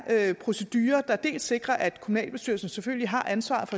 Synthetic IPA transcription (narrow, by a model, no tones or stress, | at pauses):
øpʰʁo̝se̝d̥yːɐd̥ɑ̈d̥e̝̰ːlse̝ɡ̥ʁɐʔæd̥kʰo̝munɛ̰ːlb̥e̝sd̥y̰ɐlsn̩seføl̰liɦɑ̈ʔænsʋɑ̰̈ːð̩ˠfɒ̽